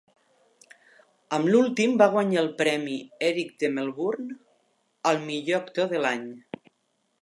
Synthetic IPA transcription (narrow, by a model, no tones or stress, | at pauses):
əmlulˠt̪imbaɣ̞waɲaelˠpɾɛmiɛɾik̚d̪emelˠβuɾn | əlˠmiʎoəkt̪oðəlaɲ